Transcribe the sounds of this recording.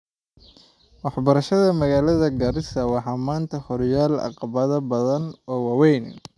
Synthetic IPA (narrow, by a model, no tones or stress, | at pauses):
wɑħbɐɾɐʃɐðɐmɐɣaːlɐðɐɡɐɾɪsɐwɑħɑːmaːnt̪ʰɐhɔrjaːlɑ̰qɑβɐðɐbɐðɐnɔːwɑːwɛjn